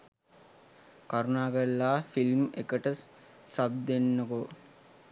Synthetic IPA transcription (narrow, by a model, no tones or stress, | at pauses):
kaɾunaːɡəlːaːfilmḛkəʈə | sab̚d̪enːəko